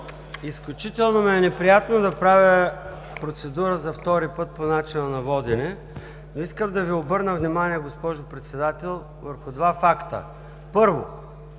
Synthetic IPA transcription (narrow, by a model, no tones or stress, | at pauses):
isklʲut͡ʃit̪ɛlˠnomɛɛnɛpɾijat̪nod̪ɐpɾavʲə | pɾot̪sɛd̪uɾəzɐft̪ɔɾipɤt̪̚ponat͡ʃinənɐvɔd̪inɛ | noiskəmd̪ɐviobɤɾnəvnimaniɛɡospɔʒopɾɛt̪sɛd̪at̪ɛlˠ | vəɾxʊd̪vafakt̪ə̰ | pɤɾvo